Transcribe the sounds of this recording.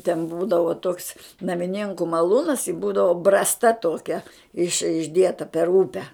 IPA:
tʲɛn ˈbuːdɐʋoː toːks nɐmʲɪˈnʲeːŋkʊ mɐˈlˠuːnɐs ɪ ˈbuːdɐʋoː ˈbrɑːstɐ ˈtoːkʲɛ ɪʃ ɪʒʲˈdʲiɛtɐ pʲɛr ˈʊpʲɛ

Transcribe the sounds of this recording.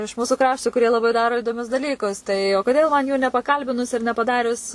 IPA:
ɪʃ ˈmuːsʊ ˈkrɑːʃtʊ kʊˈrʲiɛ lˠɐˈbɐɪ ˈdɑːroː ɪdoːˈmʲʊs dɐˈlʲiːkʊs tɐɪ oː ˈkoːdʲeːlˠ mɐn juː nʲɛpɐˈkɐlʲbʲɪnʊs ɪr nʲɛpɐˈdɑːrʲʊs

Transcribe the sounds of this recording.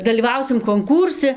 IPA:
dɐlʲiːˈʋɐʊsʲɪm koːŋˈkuːrʲsʲɪ

